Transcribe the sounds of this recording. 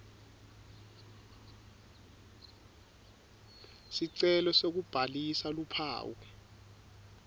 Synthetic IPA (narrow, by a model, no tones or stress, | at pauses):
siǀɛlɔsok̬ub̥ʱalisalupʰa̰ːwɔ